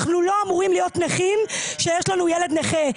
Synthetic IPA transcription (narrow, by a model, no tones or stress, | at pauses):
χnulo̞amuʁimlijo̞tneχimʃejeʃlanujele̞d̪neχe